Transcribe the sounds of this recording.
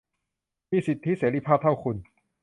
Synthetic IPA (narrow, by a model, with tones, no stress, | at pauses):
miː˧˩si˨˩t̪ʰːi˦˥seː˩˦ɾi˧pʰaː˥˩t̪ʰa˥˩wkʰu˧n